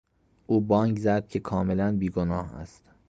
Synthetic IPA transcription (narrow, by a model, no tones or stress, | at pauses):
ʔuːbɒːŋɡzæd̪̥̚cʰe̞kʰɒːmelænbiːɡonɒːhæ̰st̪